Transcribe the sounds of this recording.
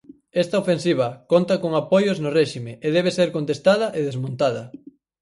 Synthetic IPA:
est̪ɐofẽnsiβ̞ɐkont̪ɐkoŋapojoznorɛʃimeeð̞ɛβ̞eseɾkont̪est̪aðɐʔeðezmõnt̪aðɐ

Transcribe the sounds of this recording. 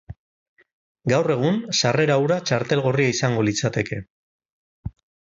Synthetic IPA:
ɡawre̞ɣ̞unsare̞ɾawɾat͡ʃaɾt̪e̞lɣo̞riaisaŋɡo̞lit͡sat̪e̞ke̞

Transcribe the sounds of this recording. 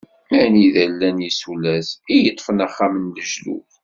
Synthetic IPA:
mæniðælːænjisulæsijət̪ˤːfənæχːamənləʒlṵθ

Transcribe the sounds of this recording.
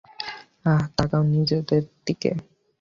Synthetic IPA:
at̪akawnid͡ʑed̪eɾd̪ikḛ

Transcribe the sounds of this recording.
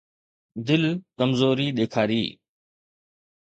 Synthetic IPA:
d̪ɪlkəmzoːɾiːɗ̪eːkʰaːɾiː

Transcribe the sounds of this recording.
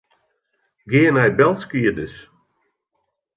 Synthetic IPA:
ɡɪːənɛjbɛlˠskiədɪs

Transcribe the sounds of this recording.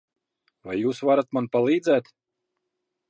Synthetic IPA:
vajːuːsvaɾat̪manpalˠiːd̪zɛːt̪

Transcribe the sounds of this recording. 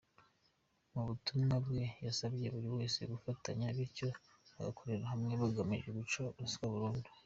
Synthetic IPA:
muβutumŋabɡe̞jasabje̞βuɾiwe̞ːse̞̰ɡufataɲaβiɾco̞ | βa̰ɡa̰kʰo̞ɾeɾaɦamŋe̞βaɡamiʒeɡut͡ʃoβskaβuɾuːndu̥

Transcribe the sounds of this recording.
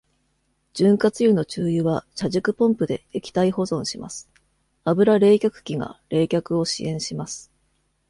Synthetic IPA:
d͡ʑ̥ɨ̃ŋkat͡sɨjɯno̞t͡ɕɨːjɯβaɕaʑɨkɯ̟põ̞mpɯ̟d̪e̞ekʲi̥t̪aiho̞zõ̞ɰ̃ɕima̰sɨ̥ | abɯ̟ɾaɾe̞ːkʲakɯ̟̥kʲiŋa̰ɾe̞ːkʲakɯ̟o̞ɕḭʔẽ̞ɰ̃ɕimasɨ̥

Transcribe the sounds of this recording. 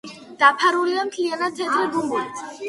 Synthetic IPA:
d̪̥apʰaɾuliamt̪ʰlianad̪̚t̪ʰɛt̪ʰɾɛɡ̪umulit̪ʰ

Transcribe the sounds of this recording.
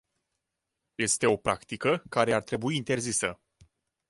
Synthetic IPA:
je̞st̪e̞o̞pɾʔakt̪ikəkaɾe̞art̪ɾe̞buiːnt̪e̞rzisə

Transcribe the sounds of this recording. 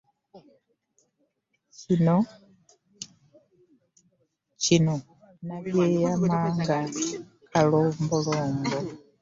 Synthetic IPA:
cino | cino | naβjejamaːŋɡa | kaloːmboloːmbo

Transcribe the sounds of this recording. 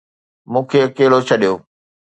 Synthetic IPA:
mũːkʰeɐkeːlot͡ɕʰɐɗijoː

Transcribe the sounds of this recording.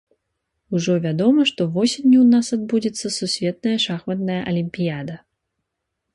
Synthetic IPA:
uʐɔvʲad̪ɔmɐʂt̪ɔvɔsʲinʲːuwnasad̪̚bud͡zʲɛt̪sːɐsusʲvʲɛt̪̚nɐjɐʂaxmɐd̪̚nɐjɐʔɐlʲimʲpʲijad̪ɐ

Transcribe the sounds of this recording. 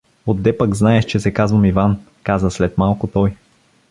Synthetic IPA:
od̪ːɛpəɡznaɛʃt͡ʃɛsɛkazvəmivan | kazəslɛt̪malˠkʊt̪ɔj

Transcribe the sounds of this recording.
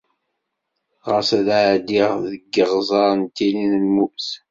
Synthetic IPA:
ʁəsælaʕd̪iʁðəɡːəʁzˤɑɾˤənt̪ːilinəlmuθ

